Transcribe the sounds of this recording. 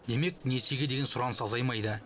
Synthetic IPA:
d̪e̞me̞k̚ne̞se̞ɡʲed̪e̞ɡʲesʊɾɑnəsɑzɑjmɑjd̪ə

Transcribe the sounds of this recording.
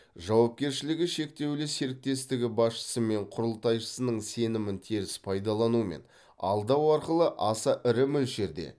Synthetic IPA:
ʒɑwɑp̚kʲe̞ɾʃɪlɪɡʲɪʃe̞k̚t̪e̞wlɪse̞ɾɪk̚t̪e̞st̪ɪɡʲɪbɑsʃə̥səme̞ɴqʰʊɾəlˠt̪ɑjʃə̥sənəɴse̞nɪmɪnt̪ʰeɾɪspʰɑjd̪ɑlˠɑnume̞̰n | ɑ̰lˠd̪ɑwɑɾqəlˠəʔɑsɑʔɪɾɪmʏlʒe̞ɾd̪e̞̰

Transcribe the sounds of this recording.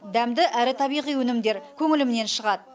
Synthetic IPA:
d̪æmd̪ɪʔæɾɪt̪ʰɑbijʁijwɵnɪmd̪e̞ɾkʲʰɵŋɪlɪmne̞nʃəʁɑd̪

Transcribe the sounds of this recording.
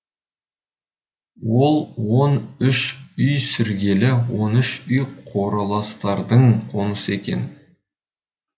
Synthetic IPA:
wo̞lˠwo̞nʏʃʏjsʏɾɡʲe̞lɪwo̞nʏʃʏjqʰo̞ɾɑlˠɑst̪ɑɾd̪əɴqʰo̞nəsəe̞kʲḛn

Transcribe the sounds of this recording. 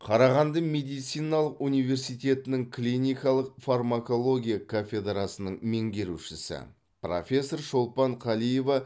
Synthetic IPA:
qʰɑɾɑʁɑnd̪əme̞d̪ijt̪sijnɑlˠəqunijve̞ɾsijt̪ʲe̞t̪ɪnɪŋklʲijnʲijkɑlˠəqfarmako̞lˠo̞ɡʲijakʰofʲe̞d̪ɾasənəɴme̞ŋɡʲe̞ɾuʃɪsɪ̰ | pro̞̰fʲe̞sːo̞ɾʃo̞lˠpɑɴqʰɑlˠije̞vɑ

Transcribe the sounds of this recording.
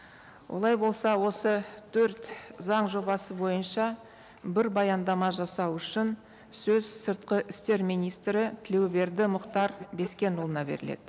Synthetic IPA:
wʔo̞̰lˠɑjbo̞lˠsɑwo̞sət̪ʰɵɾt̪zɑɴʒo̞bɑsəbo̞jənʃɑ | bɪɾbɑjɑnd̪ɑmɑʒɑsɑwʏʃɪn | sɵzsəɾt̪̚qəʔɪst̪e̞ɾmijnijst̪ɾɪt̪ʰɪle̞wbe̞ɾd̪ɪmʊqt̪ɑɾbe̞skʲe̞nulˠənɑbe̞̰ɾɪ̰le̞̰d̪̥ɪ

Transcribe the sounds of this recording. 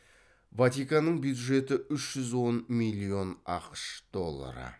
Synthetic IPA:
vɑt̪ikɑnːəɴbjud̪ʒe̞t̪ɪʏʃʒ̥ʏzwo̞nmijlʲːio̞nɑqəʃd̪̥o̞lˠːa̰ɾə̰

